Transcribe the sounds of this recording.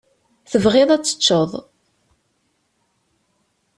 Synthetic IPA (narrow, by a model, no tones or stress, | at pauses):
θəvʁeðˤæt͡sːə̥t͡ʃːəðˤ